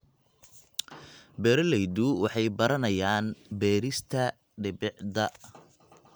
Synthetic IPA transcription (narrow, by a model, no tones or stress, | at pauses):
bɛːɾɐlɛjd̪uwɑħɑjbɐɾɐnɐjaːnbɛːɾɪst̪ʰɐ | ɖɪbɪʕd̪ɐ